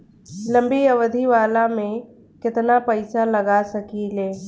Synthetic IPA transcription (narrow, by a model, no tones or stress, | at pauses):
lə̃mbiəʋd̪ʱiʋaːlamẽ | kɪt̪napəɪsaləɡasəkileː